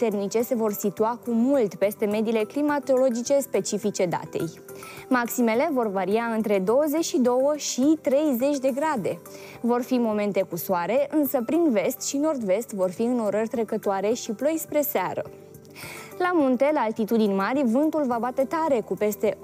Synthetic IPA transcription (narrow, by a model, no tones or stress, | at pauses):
t̪e̞rnit͡ʃe̞se̞vo̞rsit̪uakumult̪pe̞st̪e̞me̞d̪ile̞klimat̪o̞lo̞d͡ʒit͡ʃe̞spe̞t͡ʃifit͡ʃe̞d̪a̰t̪e̞̰j | maksime̞le̞vo̞rvaɾiaɨnt̪ɾe̞d̪o̞wəze̞t͡ʃʃid̪o̞wəʃit̪ɾe̞jze̞t͡ʃʲd̪e̞ɡɾad̪e̞ | vo̞rfimo̞me̞nt̪e̞kusoaɾe̞ʔɨnsəpɾinve̞st̪ʃino̞rd̪ve̞st̪vo̞rfiɨno̞ɾərʲt̪ɾekət̪oaɾe̞ʃiplo̞jspɾe̞sea̰ɾə̰ | lamunt̪e̞laːlt̪it̪ud̪inʲmarʲvɨnt̪ulvabat̪e̞t̪aɾe̞kupe̞st̪e̞